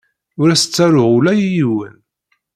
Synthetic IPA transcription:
ʊɾæsə̥t͡sːæɾʊʁulæjijiwə̰n

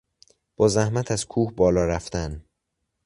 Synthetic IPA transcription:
b̥ɒːzæhmæt̪ʰæz̥kʰuːhbɒːlɒːɾæft̪æn

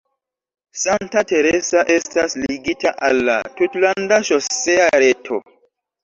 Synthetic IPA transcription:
santate̞ɾesaʔe̞stasliɡitaʔalːa̰tutlandaʃoseaɾetʰo̰

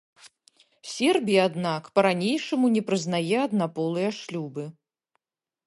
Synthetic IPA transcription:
sʲɛrbʲijɐːd̪nakpɐɾanʲejʂɐmunʲɛpɾɨznajɛɐd̪napɔlˠɨjɐʂlʲubɨ

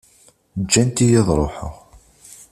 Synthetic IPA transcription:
d͡ʒːænt̪ijiðˤɾˤoħə̰ʁ

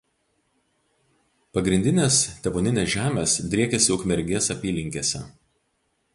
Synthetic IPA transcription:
pɐɡɾʲɪnʲd̪ʲɪnʲeːst̪ʲɛboːnʲɪnʲeːsʒʲæːmʲeːsd̪ʲɾʲiɛkʲɛsʲɪʊkmʲɛɾʲɡʲeɛsɐpʲiːlʲɪŋʲkʲeːsʲɛ̰

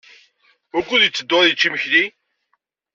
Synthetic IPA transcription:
ʊɾkʷːʊðjət͡sːəd̪ːoðjət͡ʃːiməçði

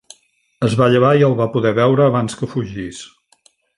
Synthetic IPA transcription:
əzβaʎəβ̞aiəlˠβapuðɛβɛwɾəːβanskəfuʒis

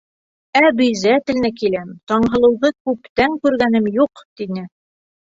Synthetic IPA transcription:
æbɵ̆jzæt̪ɘ̆lnɘkilæmt̪ɒɴɦɤ̆lˠɤ̆wðɤkʉpt̪æŋkʉɾɡænɘmjuqt̪inɘ

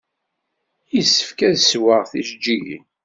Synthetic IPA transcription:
jisːə̥fkæðswəʁθiʃd͡ʒːijḭ

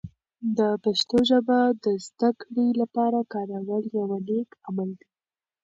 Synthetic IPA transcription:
d̪əpaʃt̪oʒabad̪əzd̪akɽilapɑɾakɑɾawəljawalekamald̪i

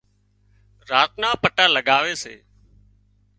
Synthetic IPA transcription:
ɾaːt̪nãːpəʈaːləɡaːʋeːsḛː

